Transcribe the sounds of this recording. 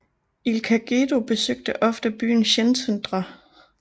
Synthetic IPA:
ilkʰæɡ̥e̝do̝b̥e̝søɡ̥̚d̥əʔɒ̽fd̥əb̥y̰ːn̩ɕensʰend̥ʁɐ

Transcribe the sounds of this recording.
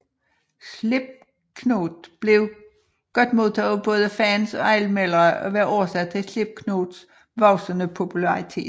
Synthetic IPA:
sle̝b̥̚ | kʰno̝ːd̥b̥le̝ʊ | ɡ̥ɒ̽d̥mo̝ðˠt͡sʰɛ̰ːðˠb̥ɔ̽ːð̞ˠəfænsɒ̽ælmelɐʔɒ̽ʋæːɐʔɒʊɐsæd̥̚t͡sʰe̝sle̝b̥̚kʰnod̥s | ʋɒʊsənəpʰo̝pʰulɑit͡sʰe̝̰̥ː

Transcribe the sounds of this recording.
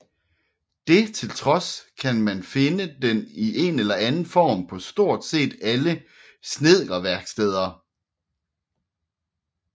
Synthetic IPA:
d̥e̝t͡sʰe̝lt͡sʰʁɒ̽skʰænmænfe̝nəd̥eniʔe̝nelɐænn̩fɒ̰ːmpʰɒ̽sd̥o̝ɐ̰d̥se̝̰ːd̥ælə | sne̝ð̰ˠɐʋæɐɡ̥sd̥eð̞̰ˠɐ

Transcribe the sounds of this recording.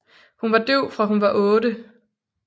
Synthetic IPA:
hunʋɑ̈d̥øʊ̰fʁɑ̈ɦunʋɑ̈ʔɔ̽ːɾə

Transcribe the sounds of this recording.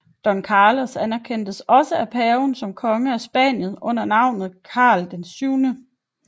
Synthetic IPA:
d̥ɒ̽nkʰɑːlɒsænɐkʰen̰d̥əsɒ̽səæpʰɛːʊnsɒ̽mkʰɒ̽ŋəæsb̥æ̰n̰jən̩ˠɔ̽n̰ɐnɑ̈ʊ̰nð̩ˠkʰɑ̰̈ːld̥ensyʊnə

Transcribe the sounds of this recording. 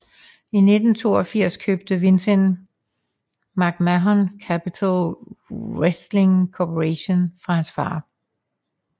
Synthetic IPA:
ine̝d̥n̩t͡sʰo̝̰ːɒfiɐ̰skʰø̰ːb̥̚d̥əʋe̝nsen | mɑ̈ɡ̥mæɦɒnkʰæpʰit͡sʰæl | ʁesd̥le̝ŋkʰopʰoʁeɕo̝nfʁɑ̈hænsfɑ̰̈ː

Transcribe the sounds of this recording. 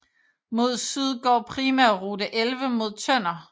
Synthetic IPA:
mo̝ð̞̰ˠsyðˠɡ̥ɒ̰ːpʰʁiːmæɐʁud̥əʔelʋəmo̝ð̞̰ˠt͡sʰœn̰ɐ

